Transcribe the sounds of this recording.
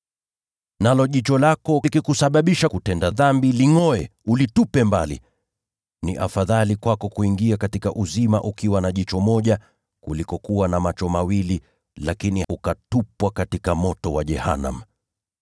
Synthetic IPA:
nalɔʄit͡ʃɔlakɔkikusaɓaɓiʃakutɛndaðambiliŋɔɛulitupɛmbalḭ | niʔa̰faðalikwakɔkuiŋɡiakatikaʔuzimaʔukiwanaʄit͡ʃɔmɔʄa | kulikɔkuwanamat͡ʃɔmawili | lakiniukatupwakatikamɔtɔwaʄɛha̰na̰m̩

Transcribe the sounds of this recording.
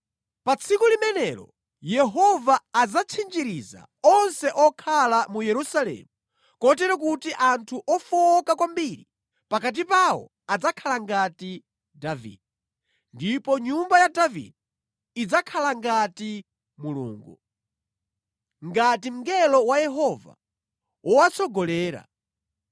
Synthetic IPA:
pat͡sʰikulimɛnɛɾɔ̰ | jɛɦɔvaːd͡zat͡sʰind͡ʒiɾiza̰ | ɔnsɛʔɔkʰalamujɛɾusalɛ̰mu | kɔt̬ɛɾak̬utiʔantʰuʔɔfɔɔkakwambiɾi | pakat̬ipawɔ̰ | ad͡zakʰalaŋɡati | davḭdɛ | ndipɔɲumbajadavḭdi | id͡zakʰalaŋɡati | mulṵːŋɡu | ŋɡatim̩ɡɛlɔwajɛɦɔva̰ | wʔɔwat͡sʰɔɡɔlɛːɾa̰

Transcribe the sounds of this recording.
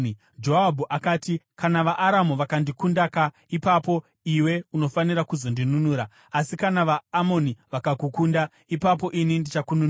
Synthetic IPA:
d͡ʒo̞abʱuʔakaːtikanaʋaʔːɾamuʋakandikundaka | ipapo̞ | iwe̞uno̞faniɾakuzo̞ndinunuːɾa | asikanaʋaːmo̞niʋakakukuːnda | ipapo̞ʔinindit͡ʃakunun

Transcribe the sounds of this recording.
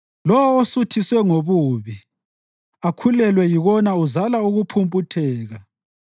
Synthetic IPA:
lɔwɔosutʰiswɛŋoβuːβi | akʰulɛlwɛjiɣɔnauzalauɣupʰumpʼutʰɛːɣa

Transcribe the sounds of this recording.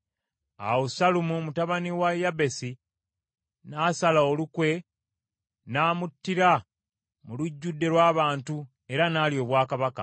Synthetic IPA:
a̰wosalumumutaβaniwajːabe̞si | naːsalaolukwe̞ | naːmutːiɾa | muluɟːudːe̞lwaːβaːntu | e̞ɾanaːlio̞ːβwaːkaβaka

